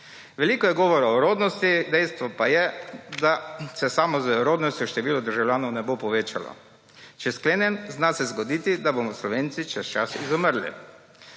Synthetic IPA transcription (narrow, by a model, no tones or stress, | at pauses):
ʋɛliːkɔjɛɡɔːʋɔɾaɔɾoːd̪nɔst̪id̪ɛjst̪ʋɔpajɛd̪asɛsamɔzɛɾoːd̪nɔst̪jɔʃt̪ɛʋiːlɔd̪əɾʒawlʲjaːnɔwnɛbopɔʋeːt͡ʃa̰lɔ̰ | t͡ʃɛskleːnjɛnznasɛzɡɔd̪iːt̪id̪abomɔslɔʋeːnt̪sit͡ʃɛst͡ʃasizɔməɾlḭ